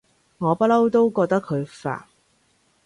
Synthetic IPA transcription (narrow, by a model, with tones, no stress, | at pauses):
ŋɔː˨˧pɐ˥lɐ˥wt̪o˥wkɔː˧k̚t̪ɐ˥kʰɵ˨˧ɥfa̰ː˨˩n̚